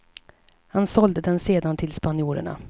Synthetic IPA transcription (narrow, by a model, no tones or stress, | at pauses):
hansɔld̪əd̪ɛnseːd̪ant̪ʰɪlspanjuːɾə̰ɳa̰